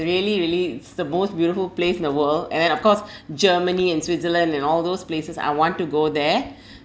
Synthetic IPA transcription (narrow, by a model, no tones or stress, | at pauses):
ɹiəliɹiəliɪtsd̪əmoːstbjuːɾɪfulpleːsɪ̃nd̪əwəldɛ̰̃ndɛ̃ñɔfkɔsd͡ʒəːməniɛ̃nswɪtsələ̃ndɛ̃nɔːld̪oːspleːsəsa̰ɪwɔ̃ntːuɡoːd̪ɛ